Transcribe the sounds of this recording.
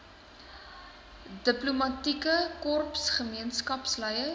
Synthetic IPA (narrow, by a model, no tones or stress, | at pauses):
dəplumɐtikəkɔrpsχəmiənskɐpsləjə